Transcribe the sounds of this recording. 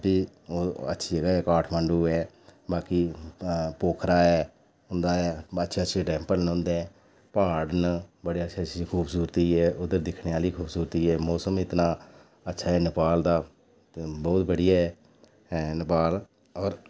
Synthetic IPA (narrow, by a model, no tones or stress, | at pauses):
biː | oːə̰tːʃʰiːd͡ʒəɡaːɛːkaːʈʰməɳɖuːɛː | baːki | poːkʰɾaːɛː | ʊnd̪aːɛːətːʃʰeːətːʃʰeːɖɛ̃ːmpəlñːnd̪ẽː | paːɽnbəɽeːətːʃʰat͡ʃʰikʰuːbsuːɾt̪iːɛːʔʊd̪əɾd̪ɪkʰɳeːaːliːkʰuːbsuːɾt̪iːɛːmɔːsəmɪt̪naː | ətːʃʰaːɛːnɪpaːld̪aː | bɔːt̪bəɽɪjaːɛː | nɪpaːl | ɔːɾ